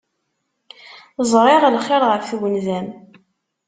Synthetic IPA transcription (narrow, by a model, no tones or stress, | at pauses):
zˤɾˤɪʁlχːeɾʁəfθwənðæm